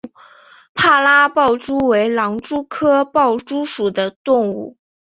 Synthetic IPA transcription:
pʰa˥˩la˥pɑ˥˩ʊʈ͡ʂu˥we˧˥ɪlɑ˧˥ŋʈ͡ʂu˥kʰɤ˥pɑ˥˩ʊʈ͡ʂu˥ʂu˨˩d̪ə˦t̪ʊ˥˧ŋṵ˥˩

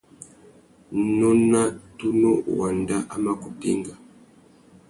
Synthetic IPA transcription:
nɔ˦na˦tu˦no˦wa˨nda˦ʔa˦ma˦ku˨pḭ˦ŋɡa˨

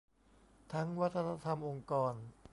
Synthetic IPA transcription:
t̪ʰa˦˥ŋwa˦˥t̪ʰːa˧na˧˥t̪ʰa˧mʔo˧ŋkɔː˧n

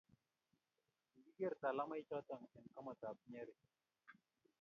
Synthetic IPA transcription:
ɡi˦ɡe˦ɾta˨la˦ma˦i˦t͡ʃɔ˦tə˨ŋɛ˨nka˦mɔ˨ta˨p̚ɲe˦ɾe˨

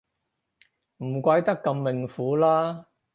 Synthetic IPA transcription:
m̩˨˩kʷɐ˧jt̪ɐ˥kːɐ˧mːɪ˨˩ŋfuː˨˥laː˥

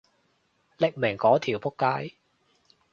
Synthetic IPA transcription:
lɪ˥k̚me˨˩ŋkɔː˨˥t̪ʰiː˨˩wpʊ˥kːaː˥j

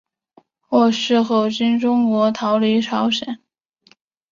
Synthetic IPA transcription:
xwɔ˥˩ʂɻ̩˥˧xo˥˩ʊt͡ɕi˥nʈ͡ʂʊ˥ŋkwɔ˧˥t̪ʰɑ˧˥ʊli˧˥ʈ͡ʂʰɑ˧˥ʊɕjɛ˨˩˦n

